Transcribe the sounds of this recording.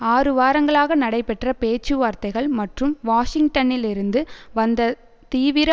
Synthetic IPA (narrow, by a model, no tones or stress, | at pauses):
aːɾɯʋaːɾɐŋɡɐɭaːɣɐnɐɽɐɪpɛʈrɐpeːt͡ʃːɯʋaːɾt̪ɐɪɣɐɭmɐʈrɯmʋaːʂɪŋɡʈɐnɪlɪɾɯnd̪ɯʋɐnd̪ɐ | t̪iːʋɪɾɐ